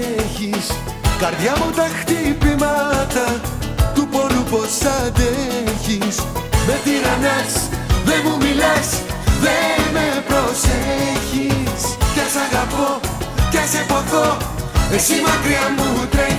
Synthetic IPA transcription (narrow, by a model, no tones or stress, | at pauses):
çis | kɐɾðʝɐmut̪ɐxt̪ipimɐt̪ɐ | t̪upolupo̞sɐd̪eçismepiɾɐnɐsðemumilɐsðemepɾoseçiscesɐɣɐpo̞cesepo̞ðoesimɐkɾiɐmut̪ɾe